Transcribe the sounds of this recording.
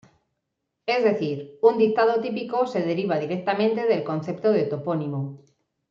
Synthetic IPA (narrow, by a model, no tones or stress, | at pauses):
e̞zðe̞θiɾund̪ik̚t̪að̞ot̪ipiko̞se̞ðe̞ɾiβ̞að̞iɾek̚t̪amẽnt̪e̞ðe̞lko̞n̟θe̞pt̪oð̞et̪o̞po̞nĩmo